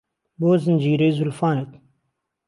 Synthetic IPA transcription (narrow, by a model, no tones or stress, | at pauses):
boːzənd͡ʑiːɾeːzʊlfaːnet̪